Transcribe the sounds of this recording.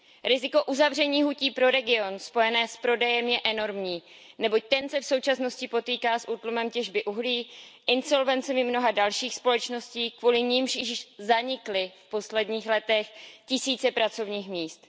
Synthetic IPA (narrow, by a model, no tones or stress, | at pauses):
ɾɪzɪko̞ʔuzavr̝ɛɲiːɦuciːpɾo̞ɾɛɡɪo̞nspo̞jɛnɛːspɾo̞dɛjɛmjɛʔɛno̞ɾmɲiː | nɛbo̞c̚t̪ɛnsɛfso̞wt͡ʃasno̞scɪpo̞t̪iːkaːsʔuːt̪lumɛmcɛʒbɪʔuɦliːʔɪnso̞lvɛnt͡sɛmɪmno̞ɦadalʃiːxspo̞lɛt͡ʃno̞sciːkvuːlɪɲɪmʃɪʃzaɲɪklɪfpo̞slɛdɲiːxlɛt̪ɛxcɪsiːt͡sɛpɾat͡so̞vɲiːxmɲiːst̪